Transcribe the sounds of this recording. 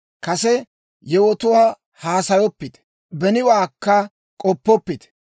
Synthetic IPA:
kɐsɛ | jɛwɔt̪ʊwaː | haːsɐjɔpːɪt̪ɛ̥ | bɛnɪwaːkːɐ | kʼɔpːɔpːɪt̪ɛ

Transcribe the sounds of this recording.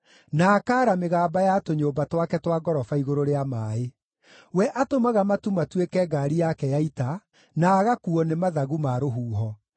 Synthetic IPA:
naːkaːɾameɣaːbajatoɲoːbatwakɛtwaɡɔɾɔfaiɣoɾoɾeamaːe | wɛʔatomaɣamatumatwekɛɡaɾijakɛjaita | naːɣakuɔnemaðaɣumaɾoɦuːɦɔ

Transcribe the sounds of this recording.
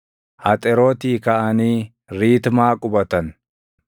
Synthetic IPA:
ʔɐt̪ʼɛɾoːt̪iːkɐʔɐniː | ɾiːt̪maːkʼʊbɐt̪ɐn

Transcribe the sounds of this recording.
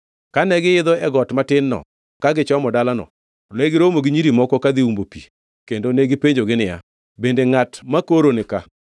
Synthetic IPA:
kanɛɡɪɪd̪ɔɛɡɔtmatɪnːɔ̰ | kaɡɪt͡ʃɔmɔdalanɔ̰ | lɛɡɪɾomoɡɪɲiɾimɔkɔkad̪ɪumbopi | kendoneɡɪpeɲd͡ʒoɡɪnɪja̰ | bendeŋatmakoɾonɪka

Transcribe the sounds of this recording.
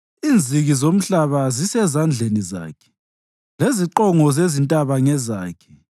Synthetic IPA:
iːnd͡zʱiɣizom̩ɬaβazisɛzand͡ɮʱeniza̰ːkʰɛ̥ | leziǃɔŋɔzezintʼaβaŋɛza̰ːkʰɛ̥

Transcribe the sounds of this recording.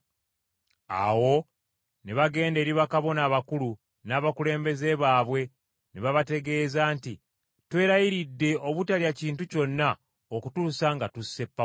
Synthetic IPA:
a̰wo̞ | neβaɡe̞ːnde̞ːɾiβakaβo̞naːβakulu | naːβakule̞ːmbe̞ze̞βaːβwe̞ | neβaβate̞ɡe̞ːzaːnti | twe̞ːɾajiɾidːe̞o̞βutaliaciːntuco̞nːa | okutusaŋɡatusːe̞pːa

